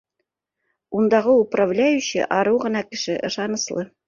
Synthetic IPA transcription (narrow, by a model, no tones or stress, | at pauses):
und̪ɑʁɤupravlʲæjʉɕɘ̰ʔɑɾɤwʁɤ̆nɑkɘ̆ʃɘʔɤ̆ʃɑnɤ̆slˠɤ